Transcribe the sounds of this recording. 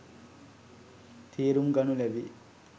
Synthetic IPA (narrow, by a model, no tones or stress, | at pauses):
t̪ʰiːɾumɡɐnulɛʋi